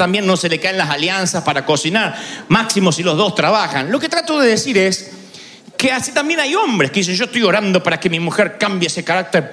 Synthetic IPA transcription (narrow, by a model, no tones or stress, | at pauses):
t̪ambje̞nːo̞se̞lekaenlasaljansaspaɾako̞sinaɾmaksimosilo̞zðo̞st̪ɾaβaxanlo̞ket̪ɾat̪oðeðesiɾes | keasit̪ambje̞najo̞mbɾeskeisenʒost̪ojo̞ɾand̪o̞paɾakemimuxeɾkambjeesekaɾak̚t̪eɾ